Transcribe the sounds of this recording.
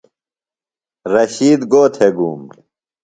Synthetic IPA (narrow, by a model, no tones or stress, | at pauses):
ɾɐɕiːd̪ɡoːt̪ʰeɡuːm